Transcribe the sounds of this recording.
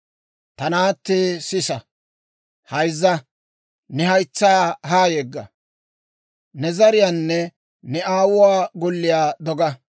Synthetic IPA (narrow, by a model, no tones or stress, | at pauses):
t̪ɐnaːt̪ːeːsɪsɐ | hɐjzːɐ | nɛhɐjt͡sːɐjaɦaːjɛɡːɐ | nɛzɐɾɪjaːnːɛ | nɛaːwʊwaːɡɔlːɪjaːd̪ɔɡɐ